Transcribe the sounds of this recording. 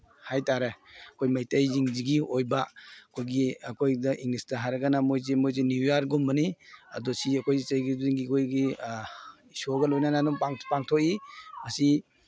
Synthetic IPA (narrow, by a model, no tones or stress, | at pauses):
hajtaɾeɐkʰojmajtajziŋziɡiojbaɐkʰojɡiɐkʰojdɐʔiŋlistɐɦaɾɐɡɐnamojzemojzenijaɾɡumbɐniɐ̰dosiɐkʰojɡisɐjɡiziŋɡikʰojɡi | isoɡɐlojnananɔŋpaŋpaŋtʰokimɐsi